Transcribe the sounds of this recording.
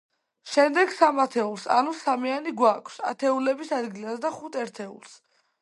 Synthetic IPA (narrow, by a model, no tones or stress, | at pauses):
ʃɛmd̪ɛɡsamat̪ʰɛulˠsa̰nusamianiɡwakʰsa̰t̪ʰɛulɛbisad̪ɡilasd̪aχut̪ʰɛɾt̪ʰɛṵlˠs